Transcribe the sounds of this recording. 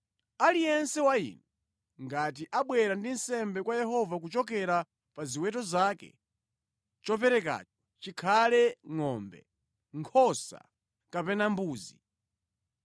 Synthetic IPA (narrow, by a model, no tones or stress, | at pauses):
alijɛnsɛwaḭːnɛ | ŋɡat̬iʔaɓwɛɾandinsɛmbɛkwajɛɦɔvak̬ut͡ʃɔk̬ɛɾa | paziwɛtɔzaːkɛ̰ | t͡ʃɔp̬ɛɾɛk̬a̰ːt͡ʃɔ̥ | t͡ʃikʰalɛŋɔmbɛ̰ | ŋkʰɔsa̰ | kapɛnambuːzi